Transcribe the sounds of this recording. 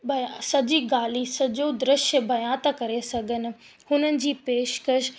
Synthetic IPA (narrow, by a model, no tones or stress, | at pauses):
bɐjsɐd͡ʑiɡaːlisɐd͡ʑod̪ɾɪʃjəbɐjaːt̪kɐɾesɐɡʱənɪ̆ | hʊnənɪ̆d͡ʑiːpeːʃkəʃ